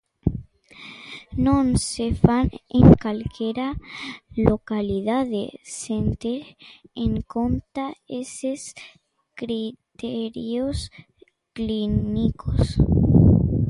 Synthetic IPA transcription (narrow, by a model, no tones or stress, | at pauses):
nonsefanḛŋkalkjeɾa | lokaliðaðesent̪eɾeŋkont̪aeses | kɾit̪eɾjos | klinikʰos